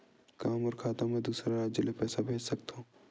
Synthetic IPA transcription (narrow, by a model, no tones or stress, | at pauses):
kaːmɔːɾkʰaːt̪ãmɛ̃d̪uːsɾaɾaːd͡ʒjəlepɛːsabʱeːd͡ʒsɐk̚t̪aɦũː